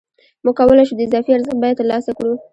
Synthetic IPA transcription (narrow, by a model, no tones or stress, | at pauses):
muɡ̚kawəlajʃud̪əɪzɑfiaɾzəx̚bɑjad̪lɑsakɽu